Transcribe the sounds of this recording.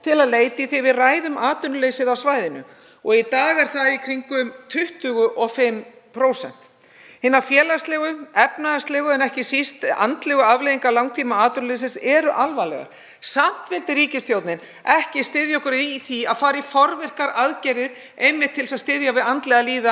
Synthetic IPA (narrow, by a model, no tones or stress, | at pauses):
t̪ʰɪlaðleːjt̪ɪiθejvɪðraːjðʏmaːt̪ʏnlejsɪðawsvaːjðɪnʏ̰ | ɔɣit̪aːɣɛɾ̥θaikʰɾiŋkʏmt̪ʰʏht̪ʏɣʏʔɔfɪm | pʰɾowsɛ̰n̥t̪ | hɪnːafjɛːlast̪lɛːɣʏɛpnaast̪lɛːɣʏɛnɛhcɪsist̪a̰nt̪lɛɣʏavlejðiŋkalawŋt̪ʰiːmaaːt̪ʏnlejs̬ɪsɛɾʏʔalvalɛ̰ɣa̰ɾ̥ | sam̥t̪vɪlt̪ɪɾiːcɪst̪jowt̪nɪn | ɛhcɪst̪ɪðjɔkʏɾiθiaðfaːɾifɔɾvɪr̥kaɾaðcɛɾðɪɾ̥ | ejmːɪt̪ʰːɪlsaðst̪ɪðjavɪðant̪lɛɣaliːða